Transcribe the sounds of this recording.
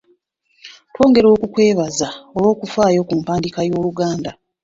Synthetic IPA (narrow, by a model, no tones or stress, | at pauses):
two̞ːŋɡe̞ɾo̞ːkukwe̞ːβazaolwo̞ːkufaːjo̞kuːmpaːndikajo̞ːluɡaːnda